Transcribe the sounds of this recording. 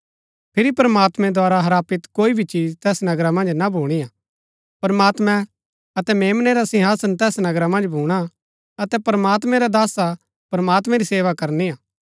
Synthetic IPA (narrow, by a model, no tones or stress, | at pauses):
pʰɪɾipɐɾəmaːt̪mɛ̃d̪ʱwaːɾaɦɐɾaːpɪt̪koːibʱit͡ʃiːd͡ʒt̪ɛːsnɐɡɾamɐ̃nd͡ʒnabʱuːɽ̃ija | pɐɾmaːt̪mɛ̃ | ɐt̪ɛmeːmneɾasɪ̃ɦaːsənt̪ɛːsnɐɡɾamɐ̃nd͡ʒbʱuːɽ̃a | ɐt̪ɛpɾmaːt̪mɛ̃ɾad̪aːsa | pɾɐmaːt̪mɛ̃ɾiseːʋakɐɾniaː